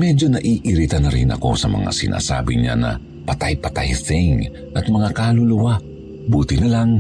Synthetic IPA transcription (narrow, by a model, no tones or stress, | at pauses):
mɛd͡ʒo̞nɐʔiːʔiɾit̪ɐnɐɾɪnʔɐ̰ko̞sɐmɐ̰ŋa̰sɪnʔa̰ːsa̰ːbɪɲa̰nɐ̰ | pɐt̪ajpɐt̪ajsɛŋ | ʔɐt̪̚mɐŋakalʊlʊwa | buːt̪ɪnɐlaŋ